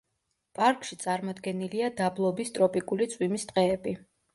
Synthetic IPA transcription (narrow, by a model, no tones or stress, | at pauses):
pʼaɾkʼʃit̪sʼaɾmɔd̪ɡɛniliad̪ablˠɔbist̪ʼɾɔpʼikʼulit̪sʼwimist̪ʼqʼɛːbi